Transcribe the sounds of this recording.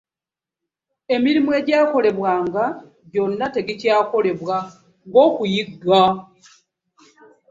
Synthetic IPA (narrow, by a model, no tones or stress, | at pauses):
e̞miɾimwe̞ːɟaːko̞le̞βwaːŋɡa | ɟo̞nːate̞ɡicaːko̞le̞βwa | ŋɡo̞ːkujiɡa